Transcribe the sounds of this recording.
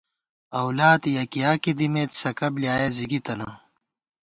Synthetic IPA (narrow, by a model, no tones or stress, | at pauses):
ɐwlaːt̪jɐkijaːkid̪imeːt̪sɐkɐbljaːjeziɡit̪ɐnɐ